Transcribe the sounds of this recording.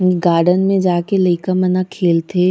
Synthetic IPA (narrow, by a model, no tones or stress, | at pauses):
ɡaːɾɖənmẽd͡ʒaːkeleːkəmɐnakʰeːlt̪ʰeː